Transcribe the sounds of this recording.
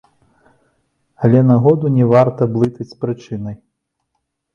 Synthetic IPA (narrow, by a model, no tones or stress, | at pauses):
ɐlʲɛnaɣɔd̪unʲɛvart̪ɐblˠɨt̪ɐt͡sʲpɾɨt͡ʂɨnɐj